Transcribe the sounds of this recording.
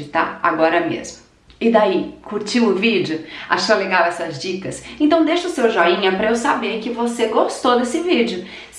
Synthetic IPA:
ɪt̪a̰ɾa̰ɡɔɾɐmḛzmʊ | ɪd̪aikuɾt͡ʃĩʊvid͡ʒjʊa̰ʃɐ̃leɡawɛsɐzd͡ʒikɐsẽnt̪ɐ̃w̃d̪eʃɐʊsewʒɔĩɲɐpɾɐewsabeɾkɪvoseɡost̪owd̪esɪvid͡ʒʊ | s

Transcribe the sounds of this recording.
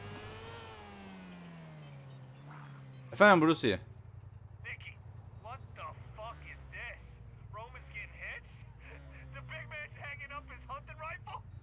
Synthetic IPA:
fæ̃mbɹusiə̰ | θɪ̃kiwʌt̪̚ðəfʌkɪzðɪsɹõʊ̃mɨ̃nskɪ̃nhɪ̥d͡ʒ̥ | ðɨbɪɡ̚mæ̃nz̥hæ̃ŋɪ̃ŋʌpɨz̥hʌ̃ntɨ̃nɹaɪf

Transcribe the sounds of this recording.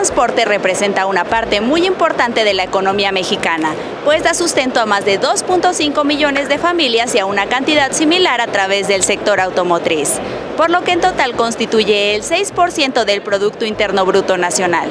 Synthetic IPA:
t̪tɾanspo̞ɾt̪e̞re̞pɾe̞se̞nt̪aunapaɾt̪e̞mujimpo̞ɾt̪ant̪e̞ð̞e̞laeko̞no̞miame̞xikana | pwe̞zðasust̪e̞nt̪oamazðe̞ðo̞spunt̪o̞siŋko̞miʝo̞ne̞zðe̞familjasiaunakant̪iðad̪similaɾat̪ɾaβ̞e̞zðe̞lse̞k̚t̪o̞ɾawt̪o̞mot̪ɾis | po̞ɾlo̞ke̞ːnt̪o̞t̪alko̞nst̪it̪uʝe̞ːlse̞jspo̞ɾsje̞nt̪o̞ðe̞lpɾo̞ðuk̚t̪o̞int̪e̞ɾno̞βɾut̪o̞nasjo̞na̰l

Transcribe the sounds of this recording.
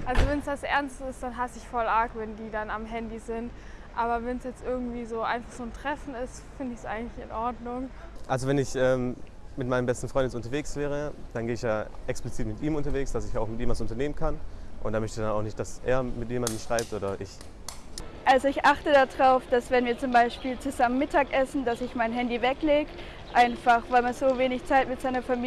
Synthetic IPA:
ʔalzovɛnsd̥asʔɛɐnstɪstd̥anɦasəɪçfɔlaɐkvɛndiːdanamɦɛndizɪnt | ʔaːbɐvɛnsjɛt͡stʔɪɐɡŋ̩tv̥iːzoːʔa̰ɪnfaχz̥oːntʁ̥ɛfn̩ɪstfɪndəɪçsʔa̰ɪɡŋ̩tlɪçɪnʔɔɐdnʊŋʔalzovɛnɪçʔɛːm | mɪt̚maɪnəmbɛstn̩fʁ̥ɔʏndɪsʊntɐveːksv̥ɛːʁ̞əd̥anɡeːɪçjaːʔɛksplɪt͡siːtmɪtʔiːmʊntɐveːksd̥asɪçaʊxmɪtjiːmasʊntɐneːmənkʰanʔʊntdaːmœçtədanaʊxnɪçtd̥asʔḛːɐmɪtjeːmandn̩ʃʁ̥aɪp̚tʔoːɾɐʔɪç | ʔalzoɪçʔaχtədadʁaʊfd̥asvɛnviːɐt͡sʊmbaɪʃpiːlt͡suzamənmɪtʰaːkʔɛsn̩d̥asɪçmaɪnɦɛndivɛkleːɡ | ʔaɪnfaχv̥aɪlmaz̥oːveːnɪçt͡saɪtmɪtz̥aɪnɐfami

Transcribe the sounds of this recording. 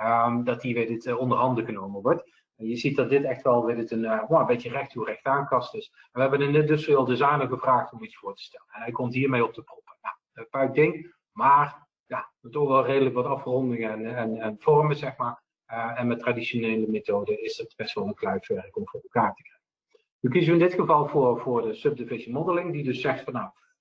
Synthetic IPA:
ədɑtiʋedɪtɔndərɦɑndəɣənowməʋɔɹt | ɛnjəzit̚dɑt̚dɪtɛxtʋɛlˠʋedɪtənaəmbejtərɛxthurɛxtaːnkɑstɪs | ɛnʋəɦɛbənɪnədɵsʋlˠdəzajnəɣəvraːxtɔmitsfʊːɹtə̥stɛlənnɦɛɪkɔmtɦiːɹmejɔp̚təprɔpəja | əpœɥk̚dɪŋ | maːr | jadɔtɔʋɛlˠrejdələkʋɑtɑfrɔndɪŋənɛnɛnv̥ɔrməzɛxmaːɹ | ɛnmɛtradiʃonejləmetowdəɪsdɑtb̥ɛstʋɑlˠənklɛɥfɛɹəkɔmvʊːrɛlˠkaːɹtəkrɛkə | nykizəəɪndɪtxəvɑlˠvʊːɹvʊːɹdəsɵb̚dɪvɪʃəmɔdəlɪŋdidɵsːɛxtfɑnːaw

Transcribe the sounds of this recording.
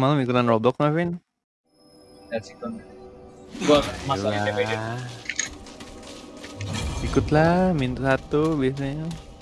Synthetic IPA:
malumikut̪anrɔbɔkŋafɪn | dasikɔn | ɡamala | ikʊt̪lamint̪usat̪ubias̬aɲa

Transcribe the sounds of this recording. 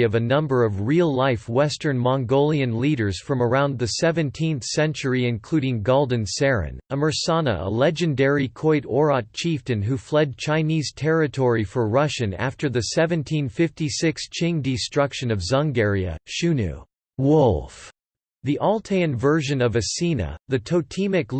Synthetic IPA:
ʌvɨnʌ̃mbə˞ʌvɹilˠlaɪfwɛstə̃˞nmɑ̃ŋɡoʊlˠiɨ̃nliɾə˞z̥fɹʌ̃mə˞ãʊ̃nðɨsɛvɨ̃ntʰĩnθsɛ̃nt͡ʃə˞iɨ̃nkʰl̥ʉɾɪ̃ŋɡoʊlˠdɨ̃n̩sɛɹɨ̰̃nəmə˞sɑnə̰ə̰lɛd͡ʒɨ̃ndɛɹikʰɔɪɾɔɹɑt̚t͡ʃʰiftɨ̃nɦuflɛd̚t͡ʃʰãɪ̃niz̥tʰɛɹɨtʰɔɹifə˞ɹʌʃɨ̃næ̰ftə˞ðɨsɛvɨ̃ntʰĩnfɪftisɪkst͡ʃʰɪ̃ŋdɨstɹ̥ʌkʃɨ̃nʌvzɑ̃ŋɡɛɹiɨ̰ʃʉnʉ̰ | wʊlˠf | ðiʔɔlˠtʰeɪɨ̃nvɜ˞ʒɨ̃nʌvɨsinɨ̰ðɨtʰoʊtʰĩmɨk

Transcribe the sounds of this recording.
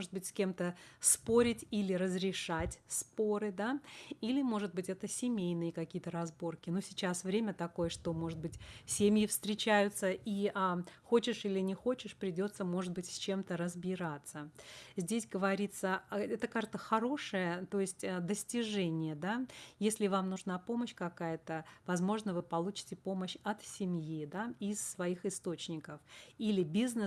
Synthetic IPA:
oʐɨt̪̚bɨtʲsʲkʲe̞mt̪əspo̞ɾʲɪtʲilʲɪɾəzɾʲɪʂatʲspo̞ɾɨd̪ailʲɪmo̞ʐɨt̪̚bɨtʲɛt̪əsʲɪmʲejnɨjəkɐkʲijət̪əɾɐzbo̞rkʲɪnusʲɪt͡ɕasvɾʲemʲət̪ɐko̞jəʂt̪o̞mo̞ʐɨt̪̚bɨtʲsʲemʲjɪfst̪ɾʲɪt͡ɕæjʊt̪səʔiʔaxo̞t͡ɕɪʂilʲɪnʲɪxo̞t͡ɕɪʂpɾʲɪdʲo̞t̪səmo̞ʐɨt̪̚bɨtʲsʲt͡ɕe̞mt̪əɾəzbʲɪɾat̪səzʲdʲesʲɡəvɐɾʲit̪səɛt̪əkaʐt̪əxɐɾo̞ʂɨjət̪o̞ɪsʲtʲəd̪əsʲtʲɪʐɛnʲɪjəd̪ajesʲlʲɪvamnʊʐnapo̞məɕkɐkajət̪əvɐzmo̞ʐnəvɨpɐlˠut͡ɕɪ̥tʲɪpo̞məɕɐt̪sʲɪmʲjid̪aɪsːvɐixɨst̪o̞t͡ɕnʲɪkəfilʲɪbʲiznɨ

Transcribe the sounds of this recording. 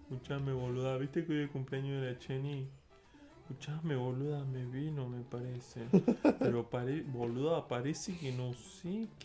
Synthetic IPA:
kut͡ʃameβoluðaβiht̪ekujekũmpliaɲuelat͡ʃeni | kut͡ʃameβoluðameβinomepaɾesepeɾopaɾeboluðapaɾesikinosik

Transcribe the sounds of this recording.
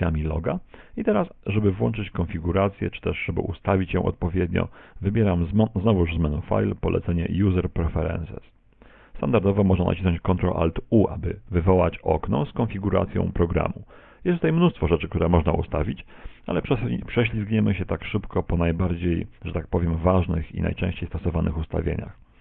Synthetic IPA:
jamʲilɔɡait̪ɛɾasʐɛbɘvwɔnt͡ʂɘt͡ɕkɔnfʲiɡuɾat̪sʲjɛ̰t͡ʂɘ̥t̪ɛʂʐɛbɘ̰ʔust̪avʲit͡ɕjɔ̰̃w̃ʔɔ̰t̪̚pɔvʲjɛd̪ɲɔ̰vɘbʲjɛɾamzznɔvuʐzmɛnufa̰jlpɔlʔɛt̪sɛɲɛ̰juzɛɾpɾɛfɛɾɛ̰nsɛs | st̪and̪aɾd̪ɔvɔmɔʐnana̰t͡ɕisnɔ̃ɲt͡ɕkɔnt̪ɾɔʔa̰lt̪uʔabɘvɘvɔwat͡ɕɔknɔ̰skɔnfʲiɡuɾa̰t̪sʲjɔ̰̃w̃pɾɔɡɾa̰mu | jɛst̪ut̪ajmnust̪fɔʐɛt͡ʂɘk̚t̪uɾɛmɔʐna̰ust̪avʲit͡ɕalɛʂpʂɛɕ̬lʲizɡɲɛmɘɕɛt̪akʂɘpkɔpɔnajbaɾd͡ʑejʐ̥ɛt̪ak̚pɔvʲjɛmvaʐnɘxḭna̰jt͡ʂɛ̃ɕt͡ɕejst̪ɔsɔvanʔɘxust̪a̰vʲjḛɲa̰x

